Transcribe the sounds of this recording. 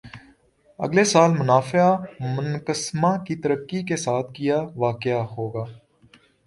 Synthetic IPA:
ə̰ɡlesaːlmʊnaːfamʊnkəsmãkit̪əɾəkːikesaːt̪ʰkijaːʋaːkɪjaɦoːɡaː

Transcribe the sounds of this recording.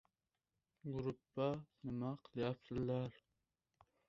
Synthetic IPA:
ɡuɾupːɑnɪmɑqʰəlˠjɑpsɨlːɑɾ

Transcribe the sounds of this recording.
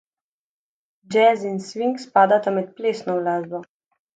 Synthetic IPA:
d͡ʒɛzinsʋiŋkspaːd̪at̪amɛt̪̚pleːsnɔwlaːzbɔ

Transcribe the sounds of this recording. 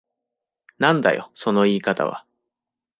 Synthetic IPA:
nãnd̪a̰jo̰so̞no̞iːkat̪a̰βa̰

